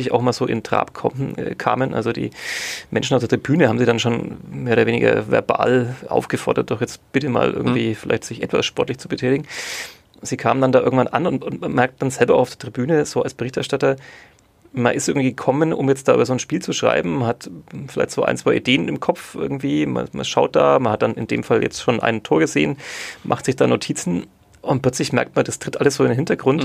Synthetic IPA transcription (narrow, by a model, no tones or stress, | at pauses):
ɪçaʊxmaːlz̥oːʔɪ̰ntʁ̥a̰ːpkʰɔm̩ːkʰa̰ːmənʔa̰lzodḭːmɛnʃn̩aʊfd̥eɐtʁibyːnəhaːm̩ziːdanʃoːnmeːɐoːdɐveːnɪ̰ɡɐ̰vɛ̰ɐba̰ːlʔa̰ʊfɡ̥əfɔɐdɐt̚d̥ɔχjɛt͡stb̥ɪtəma̰ːlʔɪ̰ɐɡŋ̩tv̥iːfɪla̰ɪçtz̥ɪçʔɛ̰tv̥a̰sʃpɔɐtlɪçt͡subətʰɛːtɪɡŋ̩ | z̥iːkʰaːməndandaːʔɪɐɡŋ̩tv̥anʔanʊntʊnmanmɛɐk̚t̚d̥anzɛlbɐʔʊaʊd̥ɐtʁibyːnəzoːalsb̥əʁɪçtɛɐʃtatɐ | ma̰nʔɪstʔɪɐɡŋ̩tv̥iːɡəkʰɔmənʔʊ̰mjɛt͡std̥aːʔyːbɐzoːnʃpiːlt͡suʃʁ̥a̰ɪbm̩manhatfɪlaɪçtz̥oːʔa̰ɪnt͡sv̥aɪʔideːənɪmkʰɔp͡fʔɪ̰ɐɡŋ̩tv̥iːma̰ma̰ʃaʊt̚d̥a̰ːmanhat̚d̥anɪ̰ndḛːmfaljɛ̰t͡stʃoːnʔa̰ɪnntʰoːɐɡəzḛːənmʔa̰χtz̥ɪçd̥aːnotʰiːt͡sn̩ | ʔʊnt̚plœt͡slɪçmɛɐk̚tmandastʁ̥ɪtʔaləsz̥oːɪndenhɪntɐɡʁʊnt